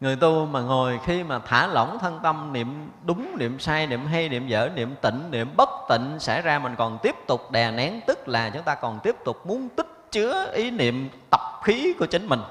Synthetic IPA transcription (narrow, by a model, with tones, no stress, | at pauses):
ŋɨ˨˩əjt̪u˧maː˨˩ŋo˨˩jxi˧maː˨˩t̪ʰa̰ː˧˩lə̰˧˩wŋ͡mt̪ʰə˧nt̪ə˧mnḭ˧˨əm | ɗʊ˨˦ŋ͡mnḭ˧˨əmsaː˧jnḭ˧˨əmɦa˧jnḭ˧˨əmzə̰ː˧˩nḭ˧˨əmt̪ḭ̈˧˨ŋ̟nḭ˧˨əmɓə˦˥t̚t̪ḭ̈˧˨ŋ̟sa̰˧˩jzaː˧mï˨˩ŋ̟kɔ˨˩nt̪i˦˥əp̚t̪ʊ˨˩k͡p̚ɗɛ˨˩na˨˦ŋt̪ɨ˦˥k̚laː˨˩t͡ɕʊ˨˦ŋ͡mt̪aː˧kɔ˨˩nt̪i˦˥əp̚t̪ʊ˨˩k͡p̚mu˨˦ənt̪ï˦˥t̚t͡ɕɨ˨˦əʔi˨˦nḭ˧˨əmt̪ə˨˩p̚xi˨˦kku˧˩ət͡ɕï˨˦ŋ̟mï˨˩ŋ̟